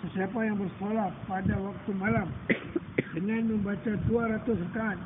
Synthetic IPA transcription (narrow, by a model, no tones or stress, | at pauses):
səsiapajaŋbərsolahpadawak̚t̪umalam | dəŋanməmbat͡ʃaduaɾat̪ʊsrəkaːn